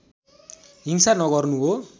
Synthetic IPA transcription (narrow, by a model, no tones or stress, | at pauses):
ɦiŋsanʌɡʌrnuɦo